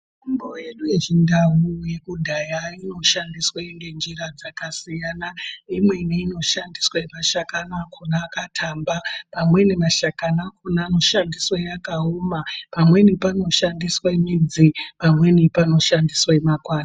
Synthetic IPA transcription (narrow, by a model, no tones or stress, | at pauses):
umbo̞je̞ɗujeʐindaɦuje̞kudʱajaino̞ʃandiswaeŋɡe̞nd͡ʒiɾad͡zakasijanaimwe̞niino̞ʃandiswaemaʃakanakʰunaːkatʰambapamwe̞nimaʃakanakunaːno̞ʃandiswajakaomapamwe̞nipano̞ʃandiswamid͡zipamwe̞nipano̞ʃandiswaemakwaːna